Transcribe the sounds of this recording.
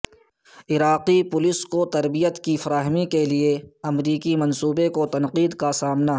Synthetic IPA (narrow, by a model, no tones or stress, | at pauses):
ɪɾaːqipʊlɪskot̪ɐɾbijət̪kifɐɾaːɦmikelieɐmɾiːkimɐnsuːbekot̪ɐnqiːd̪kasaːmna